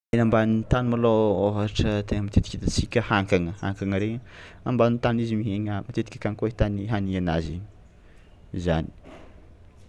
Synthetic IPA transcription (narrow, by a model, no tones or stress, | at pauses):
enambanint̪anumalooɦaʈ͡ʂət̪eŋəmit̪et̪i̥kʲid̪at͡sikʲəhaŋkaŋəha̰ŋkaŋəɾeambanint̪anizimiɦeɲamat̪et̪i̥kʲə̥kaŋkoet̪aniɦaniana̰ziɲ | zani̥